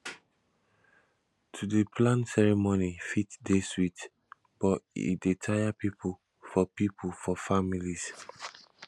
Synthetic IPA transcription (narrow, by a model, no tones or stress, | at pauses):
tʰudepʰlãntsɛɹɛmonifitdeswit | b̥ɔḭdetʰajapipʰul | fɔpipʰufɔfamilis